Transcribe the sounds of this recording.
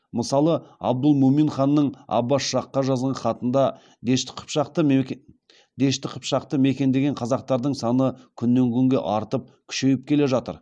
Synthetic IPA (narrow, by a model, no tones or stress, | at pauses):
məsɑlˠəɑ̰b̚d̪əlˠmominχɑnːəɴɑ̰bɑsʃɑqːɑʒɑzʁɑχɑt̪ənd̪ɑ | d̪eʃt̪ɪ̥qʰə̥pʃɑqt̪ə | d̪e̞ʃt̪ɪqʰəpʃɑqt̪əme̞kʲe̞nd̪e̞ɡʲeɴqʰɑzɑq̚t̪ɑɾd̪əɴsɑnəkʲʰʏnːe̞ŋkʲʰʏŋɡʲe̞ʔɑɾt̪əp̚kʲʰʏ̥ʃe̞jɪp̚kʲʰe̞le̞ʒɑt̪ə̰ɾ